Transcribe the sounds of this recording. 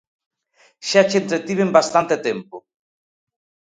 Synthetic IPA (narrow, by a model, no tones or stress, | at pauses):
ʃat͡ʃent̪ɾet̪iβembast̪ant̪et̪empo